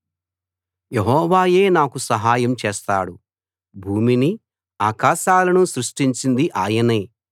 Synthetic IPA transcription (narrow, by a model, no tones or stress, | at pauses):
jeɦɔːʋaːjeːnaːkusɐɦaːjɐmt͡ʃeːst̪a̰ːɽu | bʱuːmini | aːkaːʃaːlɐnusɾuʂʈiɲt͡ʃind̪iʔaːjɐnɐj